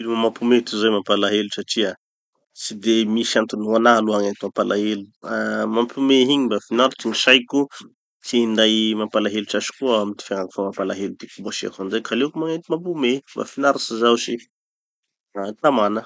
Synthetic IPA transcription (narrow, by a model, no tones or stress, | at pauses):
iluməmampumet̪uzajmapalaɦelusaʈ͡ʂia | sid̪emisiant̪unanaluaŋent̪imapalʔaɦeluamampumeɦiɲimbafinaɾatiɲiʃajku | siind̪ajmampalaɦeluʈ͡ʂaʃi̥kuaamit̪i̥faŋaku̥famapalaɦelut̪ikubaʃia̰kanzajkʰalekumaŋet̪imamp̬umeba̰finaɾasizawsi | ak̪amanə